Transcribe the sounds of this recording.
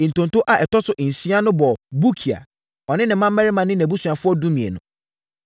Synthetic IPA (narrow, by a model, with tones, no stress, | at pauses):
n̩˨tõ˨n˨tʊ̃˦ʔa˨ʔɛ˨tʰɔ˦sʊ˨ʔn̩˨sĩ˦a˦nʊ̃˦bɔ˨bu˦kʰi˨a̰˨ | ɔ˨nɪ̃˦nɪ̃˨mːã˦m̩ː˦mæ˦ɾɪ˦mã˨nɪ̃˦n˨æ˨bu˦sũ˨a˨fʊ˦ɔ˦dũ˦mĩ˨ḛ˨nʊ̃˨